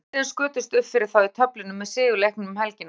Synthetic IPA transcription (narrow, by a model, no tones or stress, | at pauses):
ɛnskʏːt̪ʏst̪ʏhp̪fɪɾɪɾ̥θawit̪ʰœplɪnʏmːɛðsɪːɣʏlehknʏmhɛlcɪn